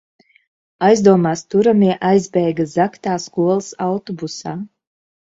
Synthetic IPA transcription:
ajzd̪uɔmaːst̪uɾamiɛʔajzbɛjɡazakt̪aːskuɔlˠsawt̪ɔbusaː

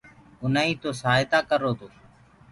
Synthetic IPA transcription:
ʊnaːĩːt̪oːsaːjt̪aːkəɾoːt̪oː

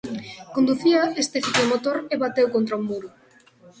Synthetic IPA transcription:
kond̪uθiɐest̪eθik̪omot̪oɾeβat̪ewkont̪ɾaumuɾʊ

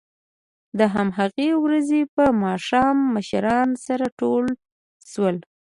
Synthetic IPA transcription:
d̪əɦamɦaɣewɾazepəmɑʃɑmːəʃɾɑnsaɾaʈol | ʃwəl

